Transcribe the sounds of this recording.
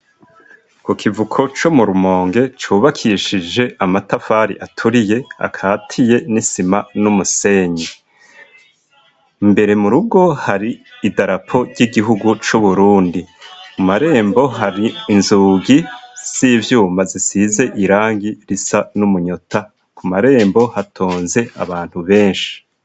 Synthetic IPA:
kukʰivukʰo̞t͡ʃomuɾumo̞ːŋɡe̞t͡ʃuβakʰiʃid͡ʒe̞ʔamatafaɾḭʔatʰuɾije̞a̰kʰaːtʰije̞nisimanumuse̞ːɲe | mbe̞ɾe̞muɾub̚ɡo̞haɾiːdaɾapʰo̞ɾɟiɡiɦuɡut͡ʃuβuɾuːndikumaɾe̞ːmbo̞ɦaɾiːnzuːɡiz̥iːvjuːmbazisize̞ʔiɾaːŋɡiɾisanumuɲota | kʰumaɾe̞ːmbo̞hatʰoːnze̞a̰βaːn̥huβe̞ːnʃi̥

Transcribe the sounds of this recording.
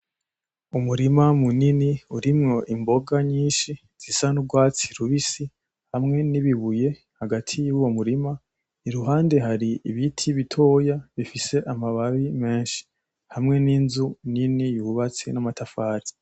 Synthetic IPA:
umuɾimamuniniuɾimŋo̞ʔimbo̞ɡaɲiːnʃi | z̥isanubɡwaːt͡si̥ɾuβisi | hamŋe̞niβiβuje̞ | haɡatʰijuwo̞muɾima | iɾuɦaːnde̞ɦaɾiiβitʰiβitʰo̞ːjaβifise̞ʔamaβaβime̞ːʃi̥ | hamŋe̞ninzuninijuβat͡sḭnamatʰafaːɾi

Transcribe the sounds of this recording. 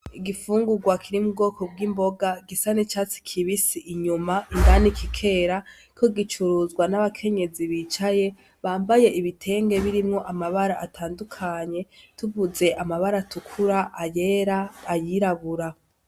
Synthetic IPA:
iɡifuːŋɡuɡwakʰiɾimub̚ɡo̞ːkʰob̚ɡiːmbo̞ɡaɡisanit͡ʃaːt͡si̥kʰiβisiʔiɲumaʔindanikʰikʰe̞ːɾa | kʰoɡit͡ʃuɾuzɡwanaβakʰe̞ɲe̞ziβit͡ʃaje̞ | βaːmbaje̞ʔiβitʰe̞ːŋɡe̞βiɾimŋo̞ʔamaβaɾaʔatʰaːndukʰaɲe̞tuvuze̞ʔamaβaɾatukʰuɾaʔaje̞ɾaːjiɾaβuɾa

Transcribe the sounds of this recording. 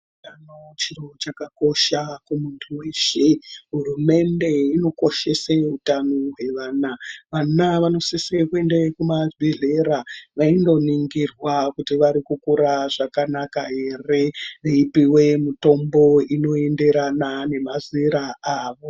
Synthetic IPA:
tanot͡ʃirot͡ʃakako̞ʃakumuntʰuweʃeɦurume̞nde̞ino̞ko̞ʃe̞seɦutanoɦwe̞ʋaːnaʋanaʋano̞sisekue̞ndekumaiɮeɾaʋaindo̞niŋɡirwakutiʋaɾikukuɾaʐakanakaɦe̞re̞eipiwe̞mito̞mbo̞ino̞e̞nde̞ɾanane̞maziɾaaːʋo̞

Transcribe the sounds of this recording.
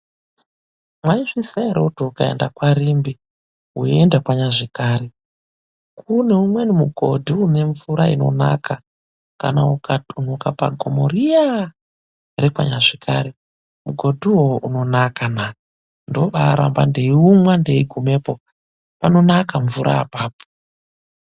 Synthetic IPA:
mwaiʐisaeɾeutuukaḛndakwaɾimbi | ɦuendakwaɲaʐikaːɾe | kuneumwenimuɡʱodʱiune̞ɱvuɾaino̞̰na̰kʰa | ka̰naukʰatun̤ukapa̰ɡʱomoɾia | ɾekwa̰ɲaʐikʰaɾe | muɡʱo̞dʱiwoʔuno̞nakana | ndoɓaɾʔa̰mbandeiumwandeiɡʱume̞ːpo | pano̞nakaɱvuɾʔa̰ːpaːp̚u̥

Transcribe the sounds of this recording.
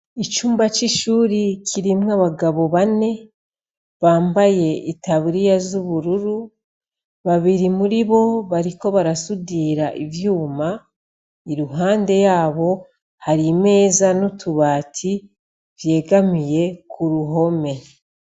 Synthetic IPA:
it͡ʃuːmbat͡ʃiʃuːɾikʰiɾimŋaβaɡaβo̞βane̞ | βaːmbaje̞ʔitaβuɾijazuβuɾuɾu | βaβiɾimuɾiβo̞βaɾiko̞βaɾasudiːɾaʔivjuːma | iɾuɦaːnde̞jaːβo̞ | haɾime̞ːzanutʰuβaːtʰi | vje̞ːɡamije̞kʰuɾuɦo̞me̞

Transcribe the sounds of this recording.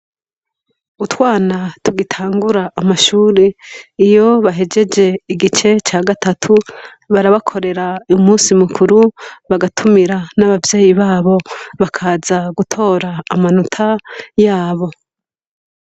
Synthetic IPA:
utwaːnatuɡitʰaːŋɡuɾaːmaʃuːɾeijo̞βaɦe̞d͡ʒe̞d͡ʒe̞iɡit͡ʃe̞t͡ʃaːɡatatʰu | βaɾaβakʰo̞ɾe̞ɾaumuːsimukʰuɾuβaɡatʰumiɾanaβavje̞ːjiβaːβo̞βakʰazaɡutʰo̞ːɾaːmanutʰajaːβo̞

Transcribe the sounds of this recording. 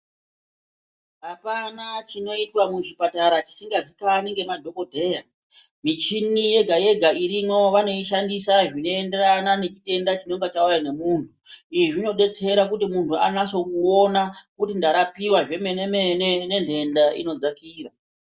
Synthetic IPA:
ɦapanat͡ʃino̞itwamuʐipataɾat͡ʃi̥siŋɡazikaniŋɡe̞madʱo̞ko̞dʱe̞ːja | mit͡ʃinije̞ɡʱaje̞ɡʱaiɾimo̞ʋano̞iʃandisaʐino̞enderanane̞t͡ʃite̞ndat͡ʃino̞ŋɡat͡ʃaujane̞muːntʰuiiʐino̞ɗe̞t͡se̞ɾak̬utimuntʰuanaso̞kuonakutindaɾapiwaʐe̞menemenene̞ndʱe̞ndaḭno̞d͡zakiːra

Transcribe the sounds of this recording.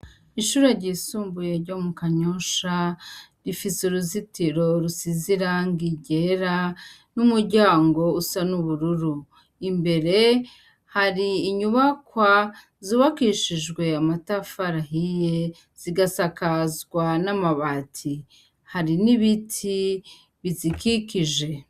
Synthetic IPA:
iʃuɾaɾɟiːsuːmbuje̞ɾɟo̞mukaɲoʃaɾifisuɾuzitiɾo̞ɾusiziɾaŋɡiɟeɾa | numuɾɟaːŋɡo̞usanuβuɾuɾu | imbe̞ɾe̞ | haɾiːɲuβakwa | zuːβakiʃiʒɡwe̞amatafaɾaɦije | z̥iɡasakazɡwanamaβatʰi | haɾiniβitʰi | βizikikiʒe̞

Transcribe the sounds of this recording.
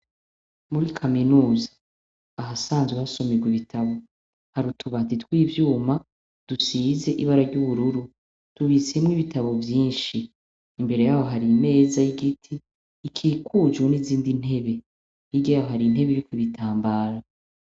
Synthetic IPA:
muɾikʰaminuːzaː | ɦasaːnzwehaso̞meɡwiβitʰaβo̞ | haɾutʰuβatitwiːvjuːma | d̥usize̞ʔiβaɾaɟuβuɾuɾu | tuβiseimŋiβitʰaβo̞vjiːnʃiː | mbe̞ɾe̞jaːho̞ɦaɾime̞ːzajiɡitʰiː | kʰiːkʰud͡ʒwoniziːndin̥he̞βe̞ | iɡɟjaːjoɦaɾin̥he̞βeiɾikwiβitʰaːmbaːɾa

